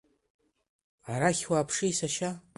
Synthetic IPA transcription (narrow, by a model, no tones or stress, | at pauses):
aɾaχʲwaːpʰʂijsaʃa